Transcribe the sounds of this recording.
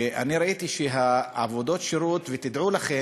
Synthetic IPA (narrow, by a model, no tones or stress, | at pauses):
ʔa̰niɾait̪iʃeɦaa̰vo̞d̪o̞t̪ʃiɾut̪vet̪id̪ʕulaχe